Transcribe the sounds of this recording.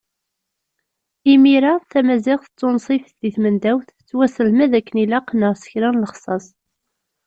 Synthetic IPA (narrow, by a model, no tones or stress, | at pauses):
imiɾaθæmæzɪʁθət͡sːonsˤifθðiθmənd̪æwθ | t͡sːwæsəlmæðækːənilæqːnəʁsə̥çɾænləχsˤɑsˤ